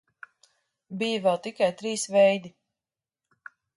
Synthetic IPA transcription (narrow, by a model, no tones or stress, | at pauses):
bijavɛlˠt̪ikajt̪ɾiːsvɛjd̪i